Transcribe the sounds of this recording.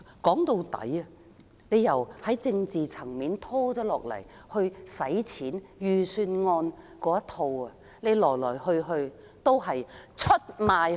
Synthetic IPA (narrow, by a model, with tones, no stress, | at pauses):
kɔː˨˥ŋt̪o˧wt̪ɐ̰˨˥jɐ˨˧ | ne˨˧jjɐ˨˩whɐ˨˥jt͡sɪ˧ŋt͡siː˨t͡sʰɐ˨˩ŋmiː˨˧nt̪ʰɔː˥t͡sɔː˨˥lɔː˨k̚lɐ̰˨˩j | hɵ˧ɥsɐ˨˥jt͡sʰiː˨˥njyː˨˩syː˧nŋɔː˧n | kɔː˨˥jɐ˥t̪ʰo˧wɐ˨ | ne˨˧jlɔː˨˩jlɔː˨˩jhɵ˧ɥɦɵ˧ɥ | t̪o˥wɦɐ˨jt͡ʃʰɵ˥t̚maː˨˧j